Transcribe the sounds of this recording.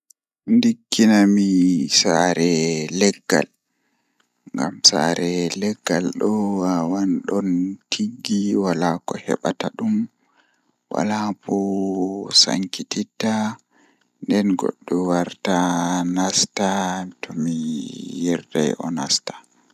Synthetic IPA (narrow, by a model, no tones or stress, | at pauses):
ndikːinamisaɾɛlɛɡːa̰l | ŋɡa̰msa̰ɾɛlɛɡːalɗɔwawanɗɔntʰiɡːiwalakɔhɛ̰ɓataɗum | wa̰lapʰɔ | sa̰ŋkitita | ndɛnɡɔ̰ɗːɔwaɾtanastatʰɔmijɛɾta̰jʔɔ̰nastḁ